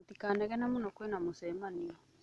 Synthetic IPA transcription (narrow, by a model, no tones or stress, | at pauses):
tikaːnɛɣɛnamonɔkwɛnamosɛmaniɔ